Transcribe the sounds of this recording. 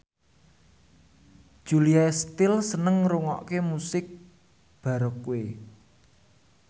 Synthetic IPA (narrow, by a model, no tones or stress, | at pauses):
d̥ʒ̥uliast̪ɪlsənəŋruŋɔ̰ʔkemusɪk̚ | b̥a̤ɾɔkuwe